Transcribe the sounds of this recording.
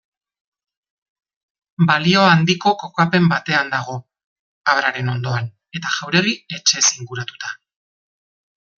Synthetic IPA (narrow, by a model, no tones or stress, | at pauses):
balio̞and̪iko̞ko̞kape̞mbat̪e̞and̪aɣ̞o̞ | aβɾaɾe̞no̞nd̪o̞an | e̞t̪aʝawɾe̞ɣie̞t͡ʃe̞siŋɡuɾat̪u̥t̪a